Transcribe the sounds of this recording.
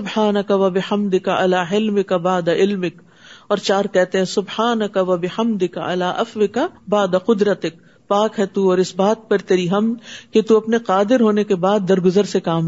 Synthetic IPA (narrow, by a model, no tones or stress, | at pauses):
ʊbħaːnɐkɐʋɐbɪħɐmd̪ɪkaʔɐlaːɦɪlmɪkabaːd̪aɪlmɪk | ɔːɾt͡ʃaːɾkɛɦt̪eɦɛ̃sʊbħaːnɐkɐʋɐbɪhɐmd̪ɪkaɐ̰laːʔɐfʋɪkɐbaːd̪aqʊd̪ɾɐt̪ɪk̚ | paːkɦɛt̪uɔːɾɪsbaːt̪̚pɐɾt̪eːɾiɦɐmd̪ket̪uɐpneqaːd̪ɪɾɦoːnekebaːd̪̚ːɐɾɡʊzəɾsekaːm